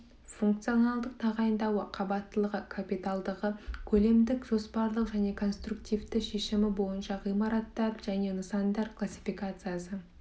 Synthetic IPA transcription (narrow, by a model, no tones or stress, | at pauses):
fuŋk̚t̪sijo̞nɑlˠd̪əq̚t̪ʰɑʁɑjənd̪ɑwəqʰɑbɑt̪ːəlˠəʁəkʰapijt̪alˠd̪əʁəkʲʰɵle̞md̪ɪkʒ̥o̞spɑɾlˠəqʒæne̞kʰo̞nst̪ɾukt̪ijvt̪ɪʃe̞ʃɪmɪbo̞jənʃɑʁijmɑɾɑt̪ːɑɾʒ̥æne̞nəsɑnd̪ɑɾkʰlˠasʲːi̥fijkat̪sɨjasə